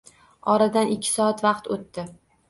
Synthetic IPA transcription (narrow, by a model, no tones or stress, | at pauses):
ɒɾad̪anʔɪkʲʰːɪ̥sɒat̪vɑqt̪ot̪ːɪ